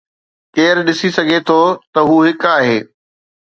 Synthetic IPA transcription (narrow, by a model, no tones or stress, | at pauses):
keːɾɗɪsisɐɡʱet̪ʰot̪ɐɦuːɦɪkaːɦeː